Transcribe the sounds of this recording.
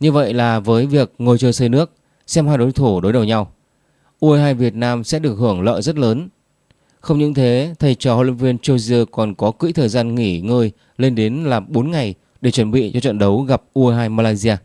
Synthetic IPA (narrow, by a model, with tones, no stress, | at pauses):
ɲɨ˧və̰˧˨jlaː˨˩vəː˨˦jvi˨˩ək̚ŋo˧˨˩jt͡ɕəː˧jsəː˧jnɨ˦˥ək̚ | sɛ˧mhaː˧jɗo˨˦jt̪ʰu˧˩ɗo˨˦jɗə˨˩wɲa˧w | ʔu˧əː˧haː˧jvi˨˩ət̚naː˧msɛ̰˧˥ɗɨ˨˩ək̚hɨ˧˩əŋlə̰ː˧˨jzə˦˥t̚ləː˨˦n | xə˧wŋ͡mɲɨ̰˧˥ŋt̪ʰe˨˦t̪ʰə˨˩jt͡ɕɔ˧˩ho̰˧˨wə̰˧˥ŋvi˧ənt͡ɕo˧wzɨ˧əkɔ˨˩nkɔ˨˦kḭ˧˥jt̪ʰəː˨˩jzaː˧nŋi˧˩ŋəː˧j | le˧nɗe˨˦nlaː˨˩mɓo˨˦nŋa˨˩j | ɗe˧˩t͡ɕə˧˩nɓḭ˧˨t͡ɕɔ˧t͡ɕə̰˧˨nɗə˨˦wɣa˨˩p̚ʔu˧ʔə˧ɦaː˧jmaː˧laː˧jzi˧aː˧